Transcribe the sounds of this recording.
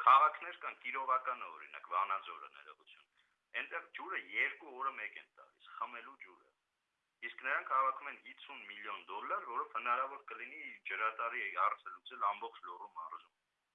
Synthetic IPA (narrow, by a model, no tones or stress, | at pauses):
kʰɑʁɑkʰnɛɾkɑnkiɾɔʁɑkɑnəɔ̰ɾḭnɑ̰kvɑnɑd͡zɔɾə̰nɛ̰ɾɔʁut͡sʰjun | ɛnt̪ɛʁd͡ʒuɾəjɛɾkuɔɾəmɛkɛnt̪ɑ̰lisχəmɛlud͡ʒuɾə̰ | isknəɾɑŋkʰhɑvɑkʰumɛnit͡sʰːunmiljɔnd̪ɔlːɑɾvɔɾɔvhənɑɾɑvɔɾkəlinid͡ʒəɾɑt̪ɑɾiɛhɑrt͡sʰəlut͡sɛlɑmbɔχt͡ʃʰlɔrumɑrʒum